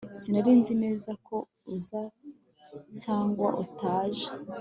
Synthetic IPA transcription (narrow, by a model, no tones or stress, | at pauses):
sinaɾiːnzine̞ːzakʰo̞ | uza | caːŋɡwa̰ʔutaːʒe